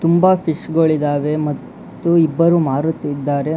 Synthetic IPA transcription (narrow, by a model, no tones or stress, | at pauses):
t̪umbapʰiʂɡɐɭid̪aːʋe̞mɐt̪ː | uibːɐɾumaːɾut̪ːid̪ːaːɾe̞